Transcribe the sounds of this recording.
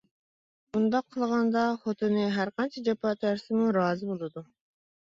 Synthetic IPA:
bund̪ɑqʰːəlˠʁɑnd̪ɑχot̪ʰɨnɨɦæɾqɑnt͡ʃʰid͡ʒɑpʰɑt̪ʰæɾsɪmuɾɑːzɨbolˠɨd̪u

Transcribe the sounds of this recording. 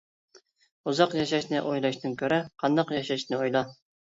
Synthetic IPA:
uzɑqjɑʃɑʃnɪʔojlˠɑʃnɨŋkʲʰøɾɪqʰɑnd̪ɑqjɑʃɑʃnɪojlˠɑ

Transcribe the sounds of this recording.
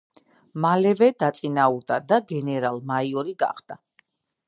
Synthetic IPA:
malɛvɛd̪at̪sʼinauɾd̪ad̪aɡɛnɛɾalˠmaiɔɾiɡa̰χd̪̥a

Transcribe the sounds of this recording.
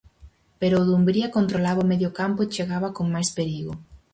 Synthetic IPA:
peɾoːðumbɾiakont̪ɾolaβaomeðjokampʊet͡ʃeɣaβakoŋmajspeɾiɣo

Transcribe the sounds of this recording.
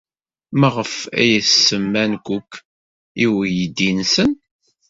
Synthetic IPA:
məʁəfæ̰jəθsəmːænkʷukː | iwjəd̪insən

